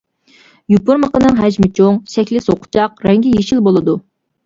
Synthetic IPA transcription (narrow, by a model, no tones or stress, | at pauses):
jupuɾməqənɨŋɦɛd͡ʒmɪt͡ʃʰoŋsɛkʲlɪsoqʰʊ̥t͡ʃʰɑqɾɛŋɡʲijeʃilbolˠɨd̪u